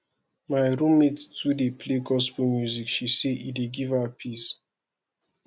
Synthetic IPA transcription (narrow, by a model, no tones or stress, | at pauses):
maɪɹumettudepʰleɡɔspomjuzikʃiseʔideɡivapʰis